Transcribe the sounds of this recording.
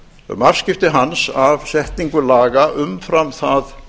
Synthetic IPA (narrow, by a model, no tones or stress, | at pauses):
mar̥scɪft̪ɪɦansavsɛht̪niŋkʏlaːɣaʔʏmfɾamθað